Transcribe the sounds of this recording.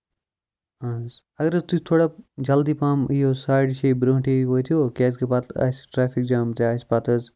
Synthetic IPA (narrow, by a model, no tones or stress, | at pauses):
ans | ɐɡɐɾɐst̪ut͡ʃt̪ʰoːɽad͡ʒɐld̪iːpaːmiɦosaːɖʃibɾõːʈʰiɦoːit̪ʰijokeːskepaːt̪ʰa̰ːsʈɾaːpʰik̚d͡ʒaːmt̪eaːspaːt̪ʰɐz